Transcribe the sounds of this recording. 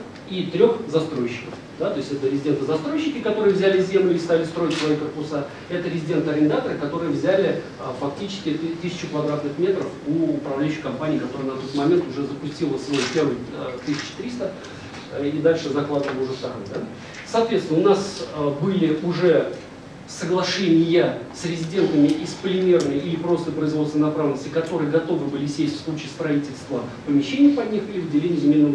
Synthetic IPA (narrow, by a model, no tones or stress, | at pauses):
it̪ɾʲo̞xzɐst̪ɾo̞jɪɕːɪ̥kəf | d̪at̪o̞ɪsʲtʲɛt̪əɾʲɪzʲɪdʲe̞nt̪əzɐst̪ɾo̞jɪɕːɪkʲɪkɐt̪o̞ɾɨjəvzʲælʲɪzʲe̞mlʲʊist̪alʲɪst̪ɾo̞ɪtʲsvɐjkərpʊsa | ɛt̪əɾʲɪzʲɪdʲe̞nt̪əɐɾʲɪnd̪at̪əɾɨkɐt̪o̞ɾɨjəvzʲælʲɪ | əfɐk̚tʲit͡ɕɪ̥skʲɪt̪ɨsʲɪ̥t͡ɕʊkvɐd̪ɾat̪nɨxmʲet̪ɾəfuːpɾɐvlʲæjʉɕːɪ̥kɐmpanʲɪiːkɐt̪oɾənɐt̪o̞t̪mɐmʲe̞nt̪ʊʐɛzəpʊsʲtʲilˠəsvojpʲe̞rvɨjt̪ɨsʲɪ̥t͡ɕɪ̥t̪ɾʲist̪ə | id̪alʲʂɨzɐklˠad̪əvəlˠəʊʐɛst̪ɐɾojd̪a | sɐːt̪vʲet̪sʲɪnəʊnasəbɨlʲɪʊʐɛ | səɡlˠɐʂɛnʲɪjəsɾʲɪzʲɪdʲe̞nt̪əmʲɪʔɪspəlʲɪmʲe̞rnəjʔilʲɪpɾo̞st̪əjpɾəɪzvost̪vɪnɐpɾavlʲnəsʲtʲɪkɐt̪o̞ɾɨjəɡɐt̪o̞vɨbɨlʲɪsʲesʲtʲfslˠut͡ɕiːst̪ɾɐitʲɪlʲst̪vəpəmʲɪɕːenʲɪjəpɐdʲnʲixilʲɪvɨdʲɪlʲenʲɪjɪzʲɪmʲenːə